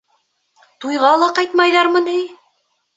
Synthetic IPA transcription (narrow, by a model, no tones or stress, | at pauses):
t̪ujʁɑlˠɑqɑjt̪mɑjðɑɾmɤnɘj